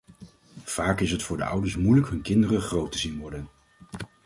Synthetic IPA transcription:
v̥aːkɪsɦətfʊːɹdə̰ʔʌ̰wdəɹsmujləkɦɵnkɪndərəχrowtəzinʋɔɹdən

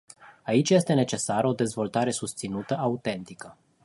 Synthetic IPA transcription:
ait͡ʃʲje̞st̪e̞ne̞t͡ʃe̞saɾod̪e̞zvo̞lt̪aɾe̞sust̪sinut̪əʔaut̪e̞nt̪ikə

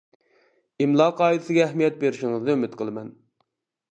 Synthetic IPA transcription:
imlˠɑːqʰɑːɨd̪ɪsɪɡʲɛɛhmijɛt̪̚beɾɪʃiŋɨzd̪ɨømɪt̪qʰəlˠɨmɛn

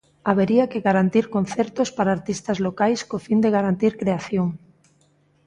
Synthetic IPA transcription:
aβ̞eɾiakeɣaɾant̪iɾkonθeɾt̪ospaɾaːɾt̪ist̪azlokajskofind̪eɣaɾant̪iɾkɾeaθjoŋ

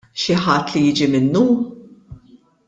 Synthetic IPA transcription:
ʃɪħɐt̪ːlijɪːd͡ʒimɪnːu

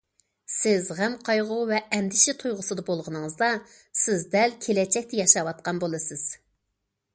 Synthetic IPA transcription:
sɪzʁæmqʰɑjʁʊvɛɛmd̪ɪʃɪt̪ʰujʁʊsɨd̪ɑbolˠʁənɨŋəzd̪ɑ | sɪzd̪ɛlkʲʰelɛt͡ʃʰɛk̚ʲt̪ʰɛjɑʃɑwɑt̪̚qɑnbolˠɨsɪz̥

